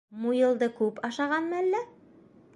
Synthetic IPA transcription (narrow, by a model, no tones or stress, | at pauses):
mujɤ̆lˠd̪ɤkʉpɑʃɑʁɑnmɤælːæ